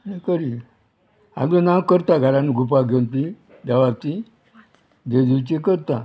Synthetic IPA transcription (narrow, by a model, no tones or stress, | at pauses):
nekəɾi | a̰ɡlənãwkəɾt̪aɡʱaɾaniɡup̬aɡʱent̪̬i | d̪aʋat̪i | d̪ed̪iwt͡ɕikəɾt̪a